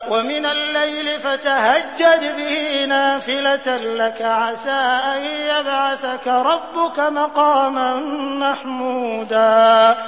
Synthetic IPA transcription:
wamɪnalːajlɪfat̪aɦad͡ʒːad̪bɪhnaːfɪlat̪lakaʕasaːʔajjabʕaθakaɾˤɑbːʊkamɑqɑːmanmaħmuːd̪aː

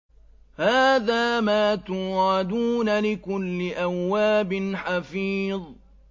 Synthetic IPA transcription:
haːðaːmaːt̪ʊːɾɑd̪uːnalɪkʊlːɪʔawːaːbɪnħafiːðˤ

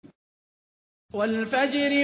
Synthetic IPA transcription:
walfad͡ʒɾɪ

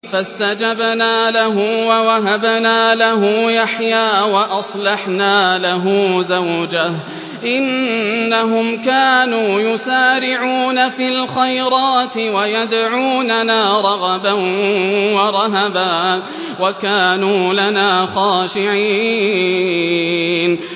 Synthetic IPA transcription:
fast̪ad͡ʒabnaːlaɦʊwawaɦabnaːlaɦʊjaħjaːwaʔɑsˤlɑħnaːlaɦʊːzawd͡ʒah | ʔɪnːaɦʊmkaːnuːjʊsaːɾɪʕuːnafilxajɾˤɑːt̪ɪwajad̪ʕuːnanaːɾˤɑɣɑbanwɑɾˤɑɦabaː | wakaːnuːlanaːxɑːʃɪʕiː | n

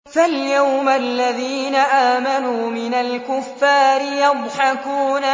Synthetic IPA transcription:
faljawmalːaðiːnaʔaːmanuːmɪnalkʊfːaːɾɪjɑdˤħakuːna

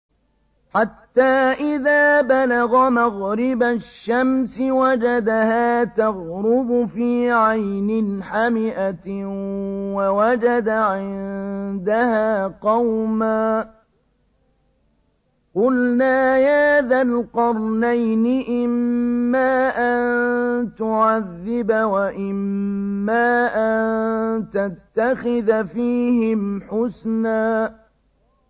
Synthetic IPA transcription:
ħat̪ːaːʔɪðaːbalaɣɑmaɣɾɪbaʃːamsɪwad͡ʒad̪ahaːt̪aɣɾʊbʊfiːʕajnɪnħamɪʔa | wawad͡ʒad̪aʕɪnd̪ahaːqɑwmaː | qʊlnaːjad̪alqɑɾˤnajnɪʔɪmːaːʔannt̪ʊʕaðːɪbawaʔɪmːaːʔant̪at̪ːaxɪðfiːhɪmħʊsnaː

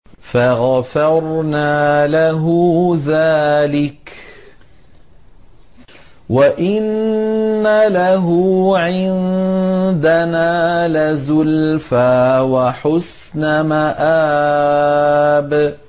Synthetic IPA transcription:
faɣafɑɾˤnaːlaɦʊðaːlɪk | waʔɪnː | alaɦʊʕɪn | d̪anaːlɪzʊlfaːwaħʊs | namaʔaː | b

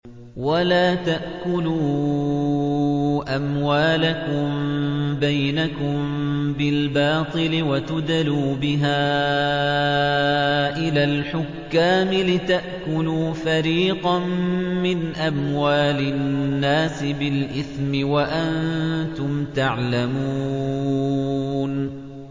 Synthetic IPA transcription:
walaːt̪aʔkʊluː | ʔamwaːlakʊmbajnakʊmbɪlbɑːt̪ˤɨlɪwat̪ʊd̪aluːbɪɦaː | ʔɪlaːlħʊkːaːmɪlɪt̪aʔkʊluːfaɾiːqɑnmɪnʔamwaːlɪnːaːsɪbɪlʔɪθmɪwaʔant̪ʊmt̪aʕlamuː | n

